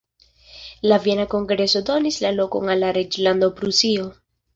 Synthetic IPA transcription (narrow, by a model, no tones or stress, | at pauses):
lavijenako̞ŋɡɾe̞so̞do̞nislalo̞ko̞̰ŋalːaɾed͡ʒland̪opɾusio̞